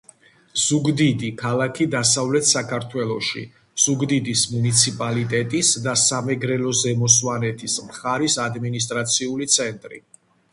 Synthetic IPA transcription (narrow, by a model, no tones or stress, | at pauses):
z̥uɡd̪id̪ikʰalakʰid̪asavlɛt̪ʰsakʰaɾt̪ʰwɛlˠɔʃḭ | z̥uɡd̪id̪ismunit̪sʰipʼalit̪ʼɛt̪ʼisd̪asamɛɡɾɛlɔzɛmɔswanɛt̪ʰismχaɾisad̪minist̪ʼɾat̪sʰiulit̪sʰɛnt̪ʼɾḭ